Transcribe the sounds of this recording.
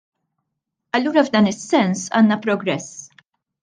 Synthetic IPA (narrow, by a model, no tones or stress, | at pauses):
ɐlːuːɾɐvd̪ɐːnɪsːɛnsɐ̰ːnːɐpɾɔɡɾɛs